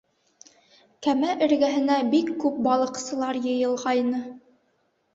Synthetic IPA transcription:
kæmæʔɘ̆ɾɡæɦɘ̆næbikːʉp̚bɑlˠɤ̆qsɤ̆lˠɑɾjɤ̆jɤ̆lˠʁɑjnɤ

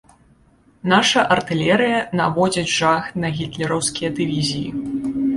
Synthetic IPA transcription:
naʂɐʔɐrt̪ɨlʲɛɾɨjɐnavɔd͡zʲɐd͡zʲʐaxt̪nɐɣʲit̪lʲɛɾɐwskʲijɐd̪ɨvʲizʲijḭ

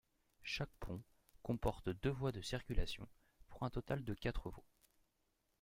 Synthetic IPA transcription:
ʃak̚pʰɔ̃ | kɔ̃pɔʁt̪d̪øvwad̪əsiʁkʲylasjɔ̰̃ | puʁɛ̃t̪ɔt̪ald̪əkʲat̪χəva

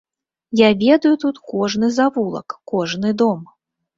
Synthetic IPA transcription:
javʲɛd̪ɐjut̪ut̪kɔʐnɨzavulˠɐ̰kkːɔʐnɨd̪ɔm

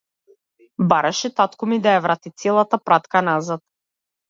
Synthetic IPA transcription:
baɾaʃɛt̪at̪kɔmid̪ajavɾat̪it̪sɛlˠat̪apɾat̪kanazat̪̚

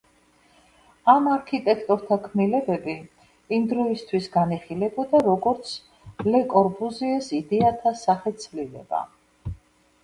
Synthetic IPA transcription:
amaɾkʰit̪ʼɛkʰt̪ʼɔɾt̪ʰakʰmnilɛbɛbi | ind̪ɾɔist̪ʰwisɡaniχilɛbɔd̪aɾɔɡɔɾt̪sʰ | lɛkʼɔɾpuziɛsid̪ɛat̪ʰasaχɛt̪sʰvlilɛ̰ba̰

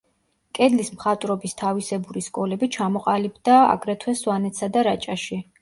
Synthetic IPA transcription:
kʼɛd̪lismχat̪ʼɾɔbist̪ʰavisɛbuɾiskʼɔlɛbit͡ʃʰamɔqʼalibd̪aa̰ɡɾɛt̪ʰwɛswanɛt̪sad̪aɾat͡ʃʼaʃi

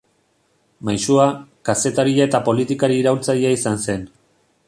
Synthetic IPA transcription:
majsuakase̞t̪aɾiae̞t̪apo̞lit̪ikaɾiːɾawlt͡saɾiaisanse̞n

